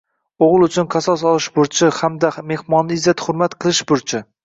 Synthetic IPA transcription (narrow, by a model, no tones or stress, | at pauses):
oʁɨlˠʊt͡ʃʰʊnqʰɑsɒsɒlˠɪʃbʊɾt͡ʃʰɪhamd̪ame̞hmɒnːɪɪzat̪hʊɾmat̪qʰɨlˠɪʃbʊɾt͡ʃʰɪ